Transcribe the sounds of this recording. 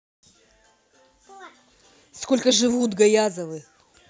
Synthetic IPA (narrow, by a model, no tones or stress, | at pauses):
sko̞lʲkəʐɨvut̪ɡɐjazəvɨ